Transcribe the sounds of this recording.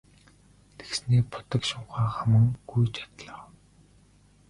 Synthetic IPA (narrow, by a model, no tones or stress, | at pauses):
t̪ʰe̥ksniːpʰʊ̥t̪ə̆kʃʊɴχaːχamə̆ŋɡ̥ujt͡ɕḁt̪ɮə̆